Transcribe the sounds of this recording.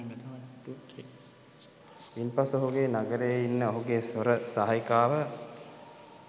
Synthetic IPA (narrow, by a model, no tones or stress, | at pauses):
impasoɦuɡeːnaɡəɾejəinːəoɦuɡesʋoɾəsaɦajkaːʋə